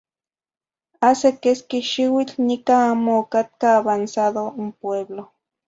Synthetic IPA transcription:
asekeskiʃiwit͡ɬnikaamoːkat̪̚kaːβansaðoumpweβlo

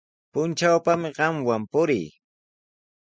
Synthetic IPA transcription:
pʊnt͡ʃawpamɪɢɑmwampʊɾɪj

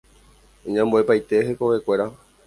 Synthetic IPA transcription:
ẽɲãmboe̞pajt̪e̞ɦeko̞ʋe̞kʷe̞ɾa

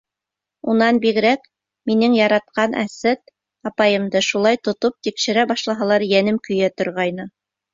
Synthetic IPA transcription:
unɑnbiɣɾæk | minɘŋjɑɾɑt̪̚qɑnʔæ̰sæt̪̚ | ɑpɑjɤ̆md̪ɤʃulˠɑjt̪ŏt̪op̚t̪ikʃɘ̆ɾæbɑʃlˠɑɦɑlˠɑɾjænɘmkɵ̆jæt̪ŏɾʁɑjnɤ

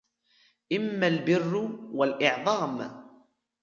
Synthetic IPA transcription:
ʔɪmːalbɪrːʊwalʔɪʕðˤɑːm

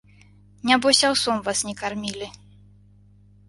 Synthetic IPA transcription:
nʲabɔsʲawsɔmvasnʲɛkarmʲilʲi

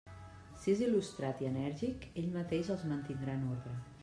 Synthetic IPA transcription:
siezilust̪ɾat̪iənɛɾʒikeʎmət̪eʃəlˠzmənt̪ind̪ɾanoɾðɾə

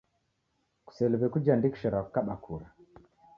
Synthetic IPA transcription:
ku̥sɛlɛβɛkud͡ʒandiki̥ʃɛɾakukaɓakʰuɾa

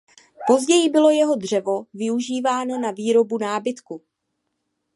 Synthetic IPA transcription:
po̞zɟɛjɪbɪlo̞jɛɦo̞dr̝̥ɛvo̞vɪuʒiːvaːno̞naviːɾo̞bunaːbɪt̪ku

